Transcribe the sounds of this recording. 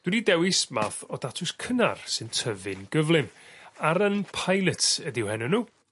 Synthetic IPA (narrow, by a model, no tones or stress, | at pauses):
d̥wɪnidɛwɪsmaːθɔdatʰʊskʰəna̰rsɨntʰəvɪnɡəvlˠɪmaɾənpʰajlˠətʰədɪwhɛnɔnuː